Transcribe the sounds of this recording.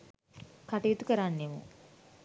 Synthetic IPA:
kaʈejut̪ukəɾanːemṵ

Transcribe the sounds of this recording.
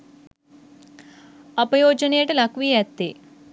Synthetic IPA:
ɐpɐjoːd͡ʒɐneːʈɐlɐkʋijɛt̪ːe

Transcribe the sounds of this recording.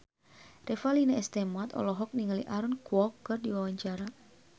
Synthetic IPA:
refalineɛst̪emat̪ɔ̰lɔɦɔk̚niŋəlḭʔaɾɔnkwɔkːɨrdiwawaɲt͡ʃaɾa

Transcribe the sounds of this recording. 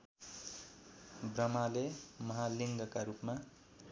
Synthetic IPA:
brʌmalemʌɦaliŋɡʌkaɾupma

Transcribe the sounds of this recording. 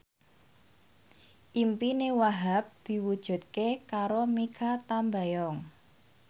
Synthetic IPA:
ʔimpinewaɦap̚d̪̥i̤wud̥ʒ̥ṳt̪̚kekaɾomikʰat̪ambajɔŋ

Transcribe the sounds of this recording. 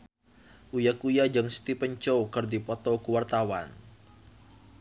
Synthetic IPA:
ʔujakujad͡ʒəŋst̪ipəɲt͡ʃowkɨrdipɔt̪ɔkuwart̪awan

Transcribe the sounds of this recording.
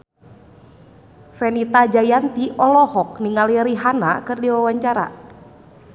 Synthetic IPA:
fɛnit̪ad͡ʒajant̪iʔɔlɔhɔk̚niŋaliɾiɦanakɨrdiwawaɲt͡ʃaɾa̰

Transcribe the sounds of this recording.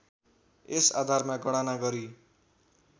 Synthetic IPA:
esa̰d̪ʱarmaɡʌɽ̃anaɡʌɾi

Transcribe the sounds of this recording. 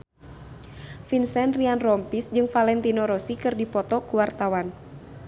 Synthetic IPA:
finsɛnrianrɔmpisd͡ʒɨŋfalɛnt̪inɔɾɔsikɨrdipɔt̪ɔkuwart̪awan

